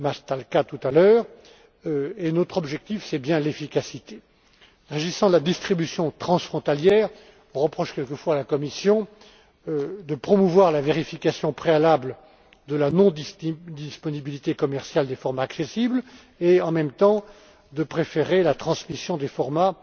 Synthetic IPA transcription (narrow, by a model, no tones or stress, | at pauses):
mast̪alkat̪ut̪alœːʁ | enot̪χɔbʒɛk̚t̪ifsɛbjɛ̃lefikʲasit̪e | ʁeʒisɑ̃lad̪ist̪χibysjɔ̃t̪χɑ̃sfχɔ̃t̪aljɛːʁ | ɔ̃ʁəpχɔʃkʲɛlkəfwalakɔmisjɔ̃ | d̪əpχɔmuvwaʁlaveʁifikʲasjɔ̃pχealabl | d̪əlanɔ̃d̪id̪ispɔnibilit̪ekɔmɛʁsjald̪efɔʁmaːksesibl | eɑ̃mɛmt̪ɑ̃ | d̪əpχefeʁelat̪χɑ̃smisjɔ̃d̪efɔʁma